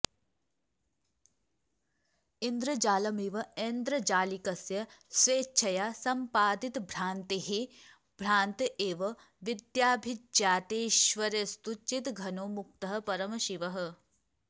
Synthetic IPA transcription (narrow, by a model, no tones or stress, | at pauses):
ind̪ɾɐd͡ʒaːlɐmiʋɐeːnd̪ɾɐd͡ʒaːlikɐsjɐsʋeːt͡ʃʰɐjaːsɐmpaːd̪it̪bʱɾaːnt̪iɦi | b̥ʱɾaːnt̪eːʋɐ | ʋid̪jaːbʱid͡ʒd͡ʒjaːt̪eːʃʋɐɾest̪ut͡ʃit̪ɡʱɐnoːmuk̚t̪ɐɦɐ̆pɐɾɐmɐʃiʋɐɦɐ̆